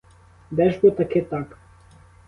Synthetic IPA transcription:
d̪ɛʒbot̪aket̪ak

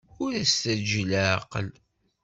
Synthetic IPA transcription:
ʊɾæst̪æd͡ʒla̰qəl

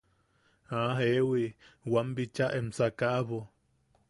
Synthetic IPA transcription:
aɦewiwambit͡ʃaʔemsakaʔβo

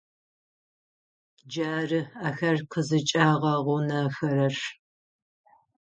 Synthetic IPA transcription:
d͡ʒaːrɨaːxɐrqʰəzɨt͡ʃʼaːʁɐʁʷʊnɐfɐɾɐʂ

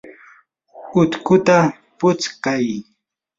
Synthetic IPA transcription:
ʊt̪kʊt̪a | pʊt͡skaj

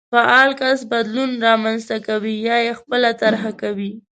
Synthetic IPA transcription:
paʔɑlkasbad̪lunɾɑmanzt̪akawijɑjexpəlat̪aɾɦakawi

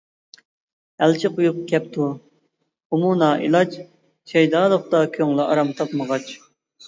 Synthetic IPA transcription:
ɛlt͡ʃʰɪqʰʊjup̚kʲʰɛp̚t̪ʰu | umunɑːʔḭlˠɑt͡ʃ | ʃʰɛjd̪ɑːlˠəχt̪ɑkʲʰøŋlˠɨʔɑ̰ɾɑmt̪ʰɑpməʁɑt͡ʃ

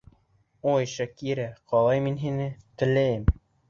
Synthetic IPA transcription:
ojʃækiɾæqʰɒlˠɑjminɦinɘt̪ɘ̆læjɘm

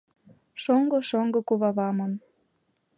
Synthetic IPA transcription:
ʃoŋɡoʃoŋɡɤ̆kuβɑβɑmɤn

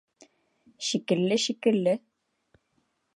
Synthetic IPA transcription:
ʃikɘ̆lːɘʃikɘ̆lːɘ

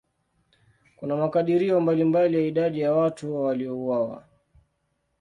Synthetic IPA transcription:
kunamakaɗiɾiɔmbalimbalijaiɗaɗijawatuwaliɔuwawa̰

